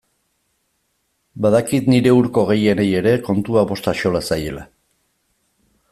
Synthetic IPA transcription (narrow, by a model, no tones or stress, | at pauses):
baðakit̪niɾe̞uɾko̞ɣ̞e̞je̞neje̞ɾe̞ko̞nt̪uaβo̞st̪aʃo̞lasaje̞̰la̰